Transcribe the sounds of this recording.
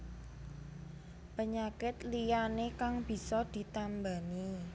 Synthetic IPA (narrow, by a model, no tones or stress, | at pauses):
pəɲakɪt̪lijanekaŋb̥i̤sɔd̪̥i̤t̪ambani